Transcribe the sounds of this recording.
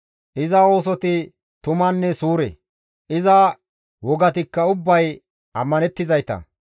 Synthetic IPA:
ʔɪzɐo̞ːs̬ɔt̪ɪ | t̪ʊmɐnːɛsuːɾɛ̰ | ʔɪzɐ | wɔɡɐt̪̬ɪkːɐʊbːɐj | ɐmːɐnɛt̪ːɪzɐjt̪ɐ̰

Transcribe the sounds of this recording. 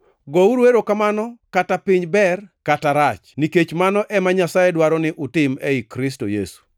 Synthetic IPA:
ɡɔuɾweɾokamanɔkatapɪɲbɛrkataɾat͡ʃniket͡ʃmanɔʔɛmaɲasajedwaɾɔnɪʔʊtɪmɛikɾɪs̬to̰jḛsu̥

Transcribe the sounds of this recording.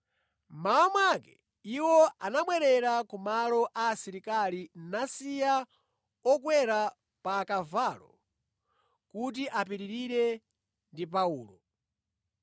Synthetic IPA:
maamwakɛ̥ | iwɔʔanamwɛɾɛɾakumalɔʔaːsiɾikalinasija | ɔkwɛɾa | paːkavalɔ̰ | kut̬iʔapiɾiɾiɾɛ | ndipauːlɔ

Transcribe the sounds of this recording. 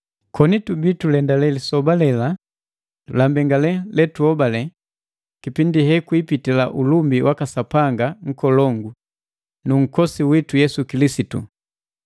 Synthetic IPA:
kʰɔnitubitulɛndalɛlisɔbalɛla | lambɛŋɡalɛlɛtuɔbalɛ | kipindiɦɛkuipitilaʔulumbiwʔakasapaŋɡaŋ̩kɔlɔŋɡu | nuŋ̩kɔsiwitujɛsukilisitṵ

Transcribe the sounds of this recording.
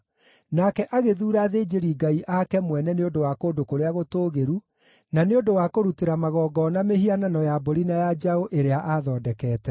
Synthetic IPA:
naːkɛʔaɣeðuːɾaðeːd͡ʒeɾiɡaiʔakɛmwɛnɛneondowakoːdokoɾeaɣotoːɣeɾu | naneodowakoɾuteɾamaɣɔːɡɔnamehiananɔjaboɾinajad͡ʒaoʔeɾeaʔaðɔːdɛkɛːtɛ

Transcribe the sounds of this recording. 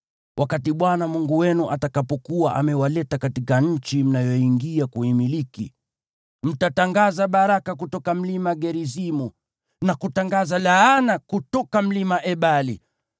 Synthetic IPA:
wʔakatiɓwanamuŋɡuwɛnuʔatakapɔkuwaʔa̰mɛwalɛtakatikaɲ̩t͡ʃim̩najɔiŋɡiakuimilikḭ | m̩tataŋɡazaɓaɾakakutɔkam̩limaɡɛɾizimu | nakutaŋɡazalaanakutɔkam̩limaʔɛɓali

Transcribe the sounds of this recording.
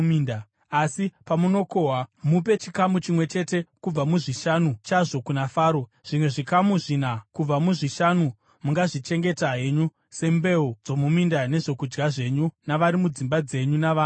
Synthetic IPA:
iːnda | asipamuno̞ko̞ɦwamupe̞t͡ʃikamut͡ʃimwe̞t͡ʃe̞te̞kub͡vamuʐiʃanut͡ʃaʐo̞kunafaːɾo̞ʐ̥imwe̞ʐikamuʐinakub͡vamuʐiʃanu | muŋɡaʐit͡ʃe̞ŋɡe̞taɦeɲu | se̞mbe̞ud͡zo̞mumindane̞ʐo̞kud͡ʒɡaʐe̞ɲunaʋaɾimud͡zimbad͡ze̞ɲunaʋaː

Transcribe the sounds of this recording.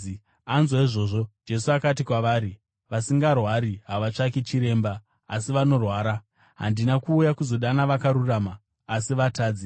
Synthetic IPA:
anzwaiʐo̞ːʐo̞d͡ʒe̞suakat̬ikwaʋaːɾi | ʋasiŋɡarwaɾiɦaʋat͡ʂaket͡ʃiɾe̞ːmbaː | siʋano̞rwaːɾa | ɦa̰ndinakuːjakuzo̞ɗanaʋakaɾuraːmaː | siʋataːd͡zi

